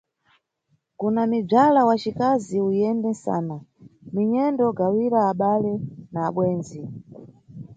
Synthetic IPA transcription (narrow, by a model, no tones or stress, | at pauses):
kunamib͡ʐalawat͡ʃikaziujɛndɛnsa̰ːnamiɲɛndɔɡawiɾaːɓalɛnaːɓwɛːnzi